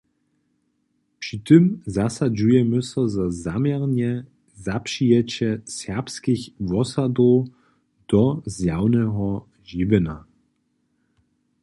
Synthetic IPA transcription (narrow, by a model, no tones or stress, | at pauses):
pʂit̪ɨmzasad͡ʒujɛməsɔzazamjɛʁnɲɛ | zapʂijɛt͡ɕɛsɛʁpskixvɔsadɔw | d̥ɔzjawnɛɦɔ | ʒivɛna